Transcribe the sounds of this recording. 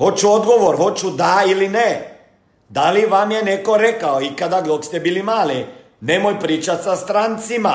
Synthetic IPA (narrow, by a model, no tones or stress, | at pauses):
ho̞t͡ʃuod̪ɡo̞ʋo̞ɾho̞t͡ʃud̪ailine | d̪aliʋamje̞ne̞ko̞ɾe̞kaoikad̪aɡd̪okst̪ebiːlimaːli | nemo̞jpɾiːt͡ʃat̪sast̪ɾant̪sima